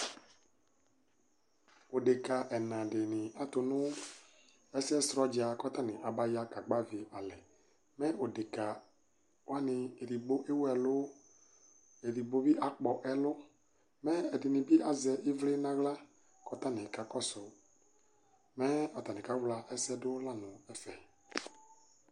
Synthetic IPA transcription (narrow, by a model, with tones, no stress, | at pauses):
o˨de˨ka˨ʔɛ˨nã˨dɪ˨nɪ̃˨a˦tʊ˨nʊ̃˦ | ɛ˦sɛ˦sɾɔ˦d͡ʒa˨kɔ˦t̪a˦˨nɪ˨ʔa˨ba˦ja˦ka˨ɡ͡ba˦vi˨ʔa˨lɛ˨ | mɛ˦ʔo˨dɪ˨ka˨ | wa˦nɪ˨e˨ɾi˨bo˦ʔe˦wɛ˨lʊ˦ | e˨ɾi˨bo˦vi˦ʔa˨k͡pɔ˨ʔɛ˨lʊ˦ | mɛ˦ɛ˨dɪ˨nɪ̃˨bi˦a˨zɛ˨ʔɪ˦vlɪ˦nã˦ɣla˦ | kɔ˦t̪a˦nɪ̃˨ka˨kɔ˦sʊ˨ | mɛ˦ɔ˨t̪a˨nɪ̃˨ka˨˦vla˨ʔɛ˦sɛ˦dʊ˦la˦nʊ˨ɛ˦fɛ˨